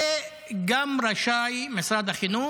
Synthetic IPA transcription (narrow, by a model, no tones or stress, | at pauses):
e | ɡamɾaʃaːjmɪsɾad̪axinu